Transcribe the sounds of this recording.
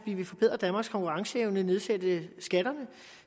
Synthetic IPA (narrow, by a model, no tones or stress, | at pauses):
iʋe̝fɒb̥e̝ð̰ˠʁɐd̥ænmɑ̈ɡ̥skʰɒ̽ŋkʰuʁɑ̈ŋsəeʊnəne̝ð̞ˠsed̥əsɡ̥æɾ̥ɐnə